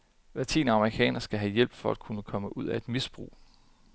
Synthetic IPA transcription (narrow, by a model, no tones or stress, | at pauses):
læt͡sʰḭːnɑ̈məʁikʰɛ̰ːnɐsɡ̥æɦæjel̰b̥fɒ̽æd̥̚kʰunəkʰɒ̽məʔuð̰ˠæe̝d̥misb̥ʁṵː